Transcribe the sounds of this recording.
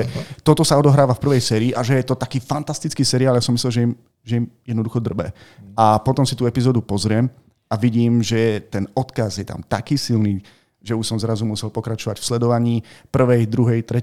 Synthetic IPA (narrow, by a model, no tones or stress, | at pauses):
ɛt̪ɔt̪ɔsaɔd̪ɔɦɾaːʋafpr̩ʋɛjsɛːɾiːʔaʒɛjɛt̪ɔt̪akiːfant̪ast̪it͡skiːsɛɾiaːljasɔmislɛlʒɛim | ʒɛimjɛd̪nɔd̪uxɔd̪r̩bɛ̰apɔt̪ɔmsit̪uːɛpizɔːd̪upɔzɾɪɛm | aʋiɟiːmʒɛɛt̪ɛnɔt̪kazjɛt̪a̰mt̪a̰kiːsilniː | ʒɛuʃsɔmzɾazumʊusɛlpɔkɾat͡ʃɔʋacfslɛd̪ɔʋaɲiːpr̩ʋɛjd̪ɾuɦɛjt̪ɾɛ